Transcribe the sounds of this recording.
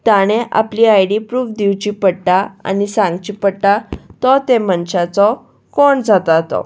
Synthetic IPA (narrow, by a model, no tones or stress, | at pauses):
t̪aɽ̃eʔa̰pliːajɽipɾuːfd̪iwt͡ɕipəɽʈaa̰nisãŋɡt͡ɕipəɽʈat̪ɔt̪emənɕat͡sɔ | kɔɳd͡zat̪at̪ɔ̰